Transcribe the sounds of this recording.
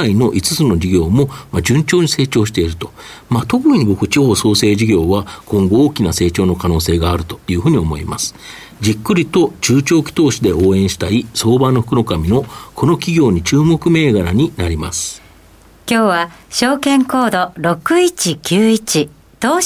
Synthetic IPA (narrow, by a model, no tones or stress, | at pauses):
aino̞ʔit͡sɨ̥t͡sɨno̞d͡ʑiɡʲo̞ːmo̞mad͡ʑɨ̃ɲ̟t͡ɕo̞ːɲ̟ise̞ːt͡ɕo̞ːɕi̥t̪e̞iɾɯ̟t̪o̞̥mat̪o̞kɯiɲ̟ibo̞kɯ̟t͡ɕiho̞ːso̞ːse̞ːʑiɡʲo̞ːβakõ̞ŋɡo̞oːkʲinase̞ːt͡ɕo̞ːno̞kanoːse̞ːɡaːɾɯ̟t̪o̞̥jɯ̟ːɸɯ̟ɲ̟io̞mo̞̰ḭma̰sɨ̥ | d͡ʑikːɯ̟ɾʲit̪o̞t͡ɕɨːt͡ɕo̞ːkʲi̥t̪o̞ːɕid̪e̞o̞ːẽ̞ɰ̃ɕi̥t̪aiso̞ːbanːo̞ɸɯ̥kɯno̞kamʲino̞kʰo̞no̞kʲiɡʲo̞ːɲ̟it͡ɕɨːmo̞kɯ̟me̞ːɡaɾaɲ̟inaɾʲima̰sɨ̥ | kʲo̞ːβa | ɕo̞ːkẽ̞ŋko̞ːd̪o̞ɾo̞kɯ̟it͡ɕikʲɨːit͡ɕi | t̪oː